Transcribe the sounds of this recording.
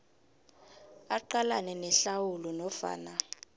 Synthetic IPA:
aǃalanɛnɛɬawulɔnɔfa̰ːna

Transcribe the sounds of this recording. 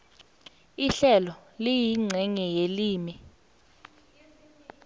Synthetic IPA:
iɬɛlɔlijiŋ͡ǀʱɛŋɛjeliːmi

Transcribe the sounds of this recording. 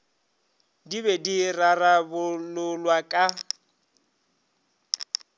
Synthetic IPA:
diβedirarabʊlʊlwakʼa

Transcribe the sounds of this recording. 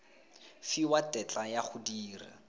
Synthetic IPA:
fiwatʼɛt͡ɬʼajaχʰʊdiːrɪ̰

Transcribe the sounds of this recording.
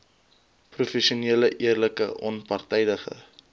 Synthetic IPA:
prufɛsiuneːləʔiərləkə̰ʔɔnpɐrtɛjdəχə̰

